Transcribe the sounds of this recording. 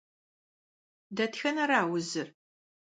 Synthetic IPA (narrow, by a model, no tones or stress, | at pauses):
dɐtxɐnɐɾaːwʊzɨr